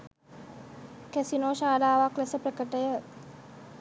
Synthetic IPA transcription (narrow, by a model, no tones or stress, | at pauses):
kæsinoːʃaːlaːʋaklɛsəprəkəʈəjə